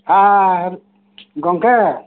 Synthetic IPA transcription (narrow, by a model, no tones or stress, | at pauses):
aɾ | ɡɔŋkɛ